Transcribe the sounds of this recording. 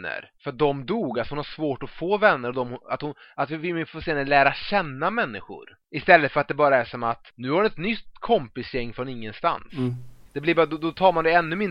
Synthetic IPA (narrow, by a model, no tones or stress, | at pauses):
ə̰ɾfœɾat̪̚d̪ɔmd̪uːɡalsɔhʊnhaʂvoːʈɔfoːvɛnːəɾɔd̪ɔmhʊa̰t̪hʊnat̪vɪvɪmfoːseːnəlæːɾaɕɛnːamɛnːɪɧʊ̰ɾ | ɪst̪ɛlːət̪fœɾat̪̚d̪ɛbɑːɾaæʂɔmat̪nʉ̟ːhaɾʊnɛt̪nʏt̪ːkʰɔmpɪsjɛŋːfɾɔnɪŋːənst̪a̰nsd̪̥ɛblɪɾbɑːɾad̪ɔd̪ɔt̪ʰɑːɾmand̪ɛɛnːɵmɪn